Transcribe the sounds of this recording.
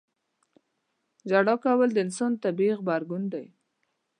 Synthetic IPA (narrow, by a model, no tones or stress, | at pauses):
d͡ʒaɽɑkawəld̪əɪnsont̪abiɣbaɾɡund̪aj